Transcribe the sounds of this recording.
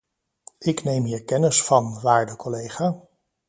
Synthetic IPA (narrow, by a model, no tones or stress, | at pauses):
ɪknejmɦiːɹkɛnəsfɑnʋaːɹdəkɔlejχaː